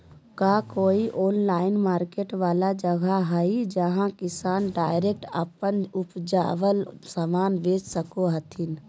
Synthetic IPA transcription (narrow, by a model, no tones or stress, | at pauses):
kakoːiʔoːnlaːɪnmaːɾkeːʈʋaːlad͡ʒəɡʱaɦəid͡ʒəɦãkɪsaːnɖaːɪɾeːk̚ʈə̰pənʊpd͡ʒa̰ːʋəlsamaːnʋeːd͡ʒsəkoɦət̪ʰin